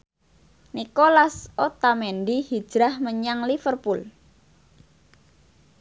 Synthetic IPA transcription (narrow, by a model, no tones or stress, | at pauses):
nikolasot̪amenɖihid̥ʒ̥ɾahməɲaŋlifərpul